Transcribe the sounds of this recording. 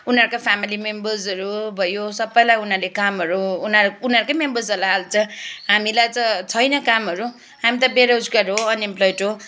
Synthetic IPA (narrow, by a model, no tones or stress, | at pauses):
unʌɾkapʰamilimembʌrzʌɾubʱʌjosʌbːʌjlajunarlekamɦʌɾuːnaunʌɾkojmembʌrzʌɾlaɦalt͡sʰʌ̃ɦamilajt͡sʌt͡sʰʌjnʌkamɦʌɾu | ɦamit̪ʌbeɾaud͡zkaɾɦoʌnemplojiʈɦo